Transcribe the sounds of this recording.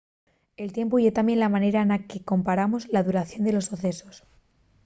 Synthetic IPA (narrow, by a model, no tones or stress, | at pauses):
e̞lt̪je̞mpuʝet̪amje̞nlamane̞ɾaenake̞ko̞mpaɾamozlaðuɾaθjo̞nd̪e̞lo̞sːoθe̞so̞s